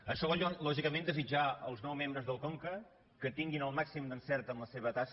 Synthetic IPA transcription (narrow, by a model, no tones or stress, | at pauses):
əʃɔβɔʎlɔʒikəmẽnd̪əzid͡ʒaəlˠznɔwmẽmbɾəzðəlˠkoŋkə | kət̪iŋɡinəlˠmaksimd̪ənsɛɾt̪ənləseβət̪as